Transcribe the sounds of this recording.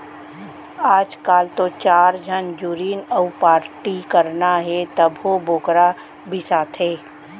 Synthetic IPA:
aːd͡ʒkaːlt̪ot͡ʃaːɾd͡ʒʱənd͡ʒuɾiːnəʊpaːɾʈikəɾnaɦɛt̪əbɦoboːkɾa | bʱisaːt̪ʰɦɛː

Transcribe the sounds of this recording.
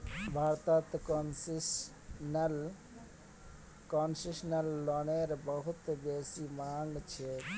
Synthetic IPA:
bʱaːɾt̪at̪k | nl | konsiʃnəlːoneɾbəɦʊt̪beːsimaːŋɡt͡ʃʰe

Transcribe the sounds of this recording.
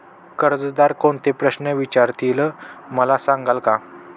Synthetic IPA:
kəɾd͡zd̪aɾkoɳt̪epɾəɕnəʋit͡ɕaɾt̪ʰiləməlasãŋɡalka

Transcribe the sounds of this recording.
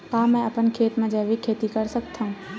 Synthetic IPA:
kãːmɛ̃ɐpənkʰeːt̪mẽd͡ʒɛːʋikʰeːt̪ikɐɾsəkt̪ʰaũː

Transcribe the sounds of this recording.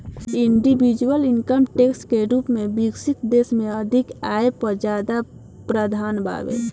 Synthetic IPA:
iɳɖibid͡ʒuwəlinkəmʈeksʈkeɾupmẽbiɡsikd̪eːsmẽəd̪ʱikaːepəɾd͡ʒaːd̪a | pɾəd̪ʱaːnbʱa̰bḛ

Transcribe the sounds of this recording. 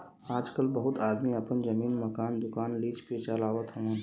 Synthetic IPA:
aːd͡ʒkəlbɐɦʊt̪aːd̪miɐpənd͡ʒɐmiːnmɐkaːnd̪ʊkaːnliːt͡ʃpet͡ʃəlaːʋət̪ʰɦɐmə̃

